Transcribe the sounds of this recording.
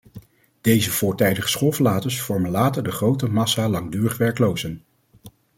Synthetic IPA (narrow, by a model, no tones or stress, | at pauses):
d̥ejzəv̥ʊːɹtɛjdəχə̥sχolˠvəlaːtəsfɔɹmənlaːtəɹdəχrowtəmɑsalɑŋdyːrəχʋɛɹklowzən